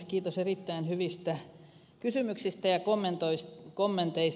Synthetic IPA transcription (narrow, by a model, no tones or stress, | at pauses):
kiːt̪oserit̪ːæinhyʋist̪æ | kysymyksist̪æjɑkomːent̪oiskomːent̪eis